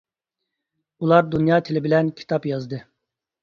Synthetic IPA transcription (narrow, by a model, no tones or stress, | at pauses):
ulˠɑɾd̪unjɑːt̪ʰelɪbilɛnkʲʰi̥t̪ʰɑpjɑzd̪ɨ